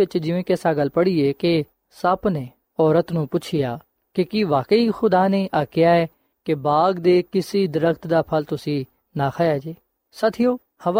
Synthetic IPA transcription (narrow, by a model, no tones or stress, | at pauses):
ɪt͡ʃd͡ʒɪʋẽːkɛːsaːɡəlpəɽiːeːke | səbneː | ɔːɾət̪nũːpʊt͡ʃʰɪjaː | kekiːʋaːkəiːxʊd̪aːneːʔaːkɪjaːɛː | kebaːɡd̪eːkɪsiːd̪ɪɾəkt̪d̪aːpʰəlt̪ʊsĩː | naːkʰaːjaːd͡ʒeː | sət̪ʰɪjoː | həʋa